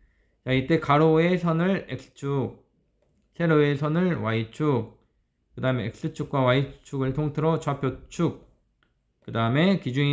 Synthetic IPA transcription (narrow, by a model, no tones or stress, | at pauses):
t͡ɕait͈e̞kaɾoe̞sʰʌnɯɭek̚s͈ɯ̥t͡ɕʰuk̚ | sʰe̞ɾoe̞sʰʌnɯɭwait͡ɕʰuk̚ | kɯdaɯme̞ːk̚s͈ɯt͡ɕʰuk̚k͈wawait͡ɕʰuɡɯɭtʰoŋtʰɯɾʌt͡ɕwapʰjot͡ɕʰuk̚ | k͈ɯdaɯme̞kid͡ʑuŋi